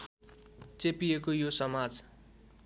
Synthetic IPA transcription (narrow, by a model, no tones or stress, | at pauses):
t͡sepijekojosʌmad͡z